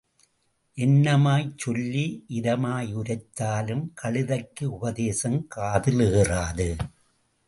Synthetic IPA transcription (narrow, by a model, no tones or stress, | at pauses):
ʔɛnːɐmaːjt͡ʃːɔlːiʔɪɾɐmaːjʊɾɐɪt̪ːaːlɯmkʰɐɭɪðɐkːɯʊbɐðeːsɐmkaːðɪlɯɣɪraːðɯ